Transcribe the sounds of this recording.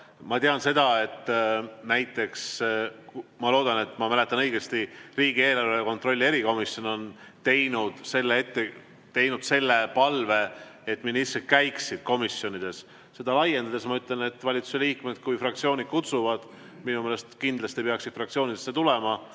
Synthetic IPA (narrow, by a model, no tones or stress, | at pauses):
mɑt̪eɑnse̞d̪̥ɑe̞t̪ːnæjt̪ːˑe̞ks | mɑlo̞ːd̪ɑne̞t̪ːˑmɑmæle̞t̪ːˑɑnɤjɡest̪iriːɡie̞ːlɑɾeko̞nt̪ro̞lʲːie̞ɾiko̞misjo̞no̞n | t̪e̞jnud̪̥se̞lːee̞t̪ːe̞ | t̪e̞jnud̪̥se̞lːe̞pɑlve̞ | et̪ːˑminisːekæjksid̪̥̚ko̞misjo̞nid̪̥e̞s | se̞d̪ɑlɑje̞nd̪ɑd̪esmɑyt̪ˑle̞ne̞t̪ːvɑlʲit̪su̥seliːkme̞d̪̥kujfrɑkt̪sio̞ːnid̪̥̚kut̪suvɑd̪̥ | minumeːle̞st̪kind̪lɑst̪ipeɑksid̪̥frɑkt̪sio̞ːnid̪̥esːet̪ulemɑ